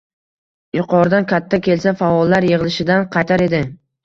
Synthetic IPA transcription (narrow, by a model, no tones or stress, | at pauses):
jʊqʰɒɾd̪ankʲʰat̪ʰːakʲʰe̞lsafaɒlːaɾjeʁɨlˠɪʃɪd̪anqʰɑjt̪ʰaɾe̞d̪ɪ